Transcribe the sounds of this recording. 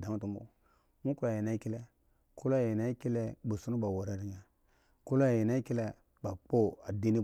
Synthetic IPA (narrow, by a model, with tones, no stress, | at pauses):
da˨ŋ˦tu˦mbṵ˦ | mu˦ku˦a˨ji˨na˦i˦ki˦le˦ | ku˦la˦˨ji˨na˦ki˦le˦bu˨su˦nu˦ba˨wo˨ɾa˦ɾi˦ɲa˨ | ku˦lo˦a˨ji˨na˦ki˦le˦ | ba˨k͡po˦a˨di˦ni˦